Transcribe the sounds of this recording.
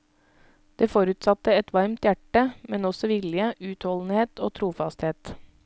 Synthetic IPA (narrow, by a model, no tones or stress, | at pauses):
d̪̥eːfoɾʉːt̪sɑt̪əɛt̪ʋɑɾmt̪jæʈəmɛnɔsɔʋɪlɪəʔʉːt̪hɔln̩heːt̪oːt̪ʰɾuːfɑst̪heːt̪